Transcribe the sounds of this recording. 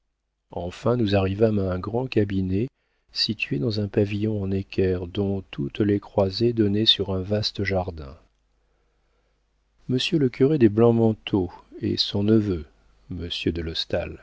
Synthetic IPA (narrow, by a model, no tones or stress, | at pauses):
ɑ̃fɛ̃nuzaʁivamaɛ̃ɡʁɑ̃kʲabine | sit̪ɥed̪ɑ̃zɛ̃pavijɔ̃ɑ̃nekʲʰɛʁd̪ɔ̃t̪ʰut̪lekχwazed̪ɔnesyʁɛ̃vast̪əʒaʁd̪ɛ̰̃ | məsjøləkʲyʁed̪eblɑ̃mɑ̃t̪ʰoḛsɔ̃nəvø | məsjød̪əlɔst̪a̰l